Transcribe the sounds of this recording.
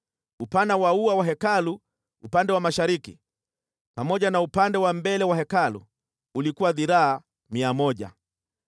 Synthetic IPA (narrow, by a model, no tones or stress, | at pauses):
upanawauawaɦɛkalu | upandɛwamaʃaɾiki | pamɔʄanaupandɛwambɛlɛwaɦɛkalṵː | likuwaðiɾaa | miamɔʄa̰